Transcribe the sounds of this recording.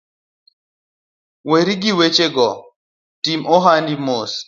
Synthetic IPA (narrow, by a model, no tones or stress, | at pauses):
weɾiɡiwet͡ʃeɡɔ | timɔɦandimos